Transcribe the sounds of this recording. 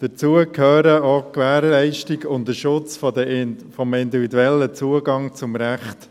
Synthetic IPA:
d̥ət͡suəkʰøːɾəɔkʋæːɾlɛɪʃtiɡʊntdəʃʊt͡sfdfɔmɪnd̪ivid̪uɛlːət͡suəɡɑŋt͡sʊmɾæχt

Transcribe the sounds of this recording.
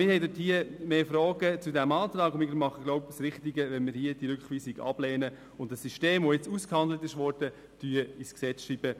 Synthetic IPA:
mɪɾhɛɪdɪthiəmeːfɾɔːɡət͡sudæmɑːtɾɑːɡʊmɪɡəmɑχəɡlɔʊpsɾɪχtiɡəʋɛnmɪɾhiəd̥iɾʏkχʋiːsiɡɑ̰b̥lɛːnə | ʊndəsːyʃteːmʋojɛt͡suskhɑndlətɪʃʋɔrd̥ə | tyːəisksɛt͡sʃriːbə

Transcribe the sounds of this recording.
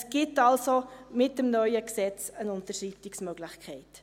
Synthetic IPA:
sɡ̥ɪtɑlsomɪtəmnœʏəksɛt͡sənʊntəʃritɪksmøɡlɪχkʰɛɪt

